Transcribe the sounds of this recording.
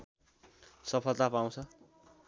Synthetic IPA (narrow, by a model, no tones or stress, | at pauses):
sʌpʰʌlt̪apaw̃t͡sʰʌ